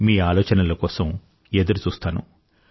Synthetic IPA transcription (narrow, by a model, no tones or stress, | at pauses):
miːaːlɔːt͡ʃɐnɐlɐkɔːsɐm | ed̪uɾut͡ʃuːst̪aːnṵ